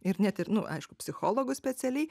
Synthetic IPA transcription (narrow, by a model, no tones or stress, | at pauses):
ɪɾnʲɛt̪ɪɾnʊʔɐ̰ɪʃkʊpʲsʲɪxoːlˠoːɡʊsʲpʲɛsʲɛlʲɛɪ